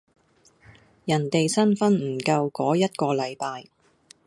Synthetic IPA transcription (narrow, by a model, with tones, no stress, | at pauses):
jɐ˨˩nt̪e˨jsɐ˥nfɐ˥nm̩˨˩kɐ˧wkɔː˨˥jɐ˥t̚kɔː˧lɐ˨˧jpaː˧j